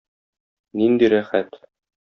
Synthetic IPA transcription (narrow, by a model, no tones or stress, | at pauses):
nind̪iɾæχæt̪